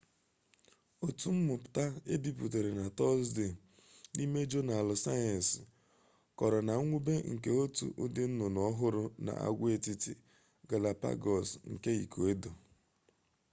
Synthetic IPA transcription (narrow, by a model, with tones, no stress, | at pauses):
o˨tu˨m̩˦mʊ˨pʊ̥˨ta˦e˦di˦pu˨te˨ɾe˨na˨tɔ˦sdɪ˨ | ni˦me˦d͡ʒo˦na˨lsa˦a˨n˨s | kɔ˨ɾɔ˨na˨˦ŋʷu˦be˦ŋ̩˨ke˦o˦tṵ˨ʔu˦dɪ˦n̩˦nʊ˨nɔ˨˦ɦʊ˦ɾʊ˨na̰˨ʔa̰˦˨ɡʷe˦˨ti˦ti˦ | ɡa˨la˨pa̰˦ɡɔ˨sŋ̩˨ke˦ḭ˨kʰo˨e˦do˨